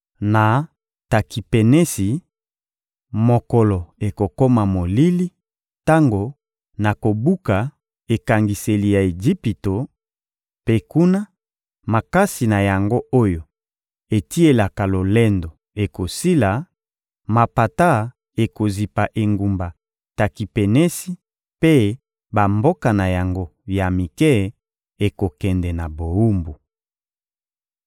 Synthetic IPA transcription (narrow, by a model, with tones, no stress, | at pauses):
na˨ | ta˨ki˨pe˨ne˦si˨ | mo˨kɔ˨lɔ˨e˨ko˨ko˦ma˨mo˨li˦li˦ | ta˦ŋɡo˨ | na˨ko˨bu˦ka˨ | e˨ka˨ŋɡi˨se˨li˨ja˨e˨d͡ʒi˦pi˨to˨ | pe˦ku˦na˦ | ma˨ka˦si˨na˨ja˨ŋɡo˦ʔo˦jo˨ | e˨ti˦e˨la˨ka˨lo˨lɛ˦ndo˨ | e˨ko˨si˦la˨ | ma˨pa˨ta˦ | e˨ko˨zi˨pa˨ʔe˨ŋɡu˨mba˨ | ta˨ki˨pɛ˨nɛ˦si˦ | pe˦ | ba˨mbo˦ka˨na˨ja˨ŋɡo˦ja˨mi˨kɛ˦ | e˨ko˨kɛ˨ndɛ˨na˨bo˨u˦mbu˨